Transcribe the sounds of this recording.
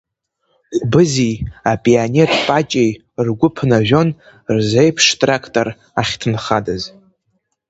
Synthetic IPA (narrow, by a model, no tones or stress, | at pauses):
χʷbɨzijapʼianetʼpʼat͡ʃʼej | rɡʷʊpʰnaʒʷᶣo̞n | rzejpʰʂtʼrakʰtʼo̞r | aχʲtʰɨnχadɨz